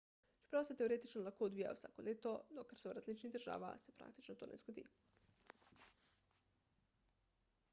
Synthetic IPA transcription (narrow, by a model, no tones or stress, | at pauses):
t͡ʃɛ̥pɾawsɛt̪eoɾeːt̪it͡ʃnɔlaxkoːd̪ʋija̰jo̰wsa̰ːkoleːt̪onɔkaɾsoɾazlit͡ʃniɣd̪əɾʒa̰ːʋa̰sɛpɾʔa̰ːk̚t̪i̥t͡ʃnɔt̪o̰ːnʔɛ̰zɡod̪ḭː